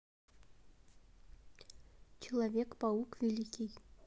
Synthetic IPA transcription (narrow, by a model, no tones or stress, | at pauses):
t͡ɕilˠavʲekpɑukvʲilʲikʲij